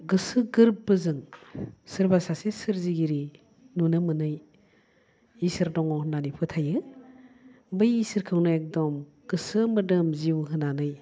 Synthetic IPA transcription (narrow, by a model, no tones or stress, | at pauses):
ɡɯsɯɡɯɾbːɯzɯŋsɯɾbasasesɯɾziɡiɾi | nunɯmɯnɯj | isɯɾdɔŋɔhnanipʰɯtʰajɯ | bɯjisɯɾkʰɯwnɯek̚dɔm | ɡ̥ɯsɯmɯdɯmziwɦɯnanɯj